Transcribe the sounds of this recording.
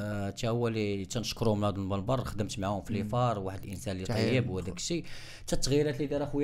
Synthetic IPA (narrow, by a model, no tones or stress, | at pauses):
t̪æʊwːælit̪ːænəʃkɾuhʊmənhæd̪ulməlbɑrˤxəd̪əmt̪maʕhʊmfilːifɑɾˤwaħəd̪əlʔənsænlːiˤɑjːəbwhæd̪ækʃi | t̪æt̪ːɣjɾæt̪lid̪iɾæxwj